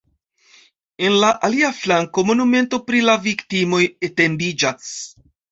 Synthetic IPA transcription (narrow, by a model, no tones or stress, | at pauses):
e̞nlaʔaliaflaŋko̞mo̞nume̞nto̞pɾilaviktimo̞jete̞mbid͡ʒas